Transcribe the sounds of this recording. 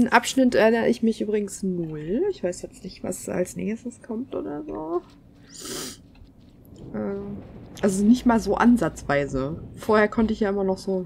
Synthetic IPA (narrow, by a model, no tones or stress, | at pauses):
nʔapʃnɪtɛɐʔɪnəə̰ɪçmɪçʔyːbʁɪɡŋ̩snʊlɪçv̥aɪsjɛt͡stnɪçtv̥a̰sa̰lsnḛːəsəskʰɔmtʔo̰ːdɐzoː | ʔɛːʔalzonɪçtmaːlzoːʔanzat͡sv̥aɪzəfoːɐheːɐkʰɔntəɪçjaːʔɪmɐnɔχz̥oː